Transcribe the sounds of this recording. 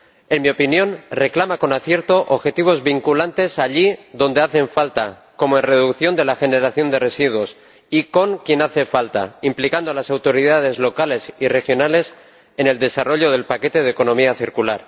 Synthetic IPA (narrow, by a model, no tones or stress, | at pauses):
e̞nmio̞pinjõ̞nre̞klamako̞naθje̞ɾt̪o̞ʔoβxe̞t̪iβ̞o̞zβiŋkulant̪e̞saʎiðo̞nd̪e̞aθe̞ɱfalt̪a | ko̞moenre̞ðukθjo̞nd̪e̞laxe̞ne̞ɾaθjo̞nd̪e̞re̞siðwo̞s | iko̞ŋkje̞naθe̞falt̪a̰implikand̪oalasawt̪o̞ɾiðað̞e̞zlo̞kale̞sire̞xjo̞nale̞s | e̞ne̞ld̪e̞saro̞ʎo̞ð̞e̞lpake̞t̪e̞ð̞eko̞nõ̞miaθiɾkulaɾ